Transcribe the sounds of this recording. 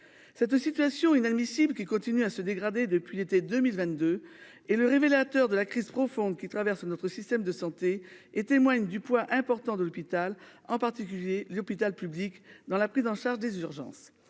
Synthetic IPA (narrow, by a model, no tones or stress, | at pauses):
sɛt̪sit̪yɥasjɔ̃inad̪misiblkʲikɔ̃t̪inyasəd̪eɡʁad̪ed̪əpɥilet̪ed̪əmilvɛ̃t̪d̪ø | ɛləʁevelat̪œʁd̪əlakχizpχɔfɔ̃d̪̚kʲit̪χavɛʁsnɔt̪χəsist̪ɛmd̪əsɑ̃t̪eet̪emwaɲd̪ypwaʔɛ̃pɔʁt̪ɑ̃d̪əlɔpit̪alɑ̃paʁt̪ik̬ʲyljelɔpit̪alpyblikd̪ɑ̃lapχizɑ̃ʃaʁʒd̪ezyʁʒɑ̰̃s